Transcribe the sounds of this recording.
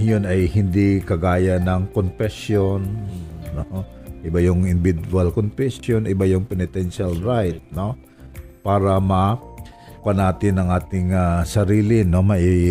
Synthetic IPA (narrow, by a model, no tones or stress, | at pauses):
jonɐjhɪnd̪ikɐɡaːjɐnɐŋkonfɛsjonːo | ʔɪbajʊŋɪnbɪd̪ualkonfɛsjonʔɪbajʊŋpɛnɪt̪ɛnʃalɹajt̪̚no̞ | paːɾɐmɐ | panaːt̪ɪnːɐŋʔaːt̪ɪŋasɐɾiːlɪnomɐʔi